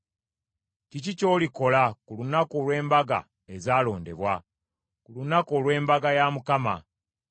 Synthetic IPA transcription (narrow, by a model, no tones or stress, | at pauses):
cicico̞ːliko̞lakulunakolwe̞ːmbaɡa̰ | e̞zaːlo̞ːnde̞̰βwa | kulunakolwe̞ːmbaɡajamukama̰